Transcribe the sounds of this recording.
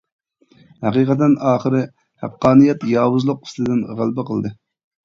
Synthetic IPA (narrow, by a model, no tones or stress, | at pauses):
hæqiqʰət̪̬ːɪnɑːχəɾɨ | hæ̰qːɑːnijɛt̪jɑːwuzlˠʊq̚i̥slɨd̪ɪnʁælˠbɨqʰəlˠd̪ɨ